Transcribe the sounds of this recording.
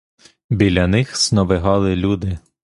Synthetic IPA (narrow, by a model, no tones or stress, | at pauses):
bʲilʲɐnɪxsnɔʋɪɦɑlˠɪlʲud̪ɪ